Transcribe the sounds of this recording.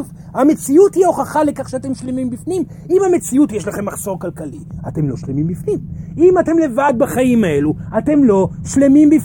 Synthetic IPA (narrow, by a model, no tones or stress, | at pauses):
v | hame̞t͡siuthio̞χaχalekaχʃeat̪e̞mʃle̞mimbifnim | imhame̞t͡siutjeʃlaχe̞mːaχso̞ʁkalkaliate̞mlo̞̰ʃlemimbifnimimatemle̞vad̪̚baχaimae̞luate̞mlo̞ʃle̞mimbif